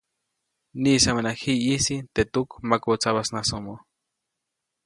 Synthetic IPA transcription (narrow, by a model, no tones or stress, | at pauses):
nisamenahiisit̪et̪ukmakot͡saβasnasomo